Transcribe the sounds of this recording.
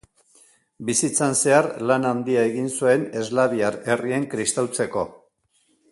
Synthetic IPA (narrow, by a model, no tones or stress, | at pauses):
bisit͡sanse̞aɾlanand̪iaeɣinsue̞ne̞zlaβiaɾe̞rie̞ŋkɾist̪awt͡se̞ko̞